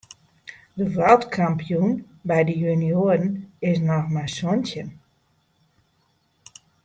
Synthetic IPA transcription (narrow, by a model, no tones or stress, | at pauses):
dəʋalˠtkʰampijun | bɛjdəjynioəɾn̩ɪsnɔxmasontjən